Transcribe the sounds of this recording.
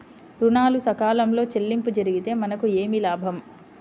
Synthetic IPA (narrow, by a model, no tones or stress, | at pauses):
ɾunaːlusɐkaːlɐmlo̞ːt͡ʃe̞lːimpud͡ʒɐɾiɡit̪e̞ːmɐnɐkue̞ːmilaːbʱɐm